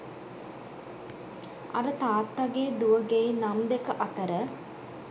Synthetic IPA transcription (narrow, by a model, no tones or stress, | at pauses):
a̰ɾət̪aːt̪ːaɡeːd̪uʋəɡeinamd̪ekəʔat̪əɾə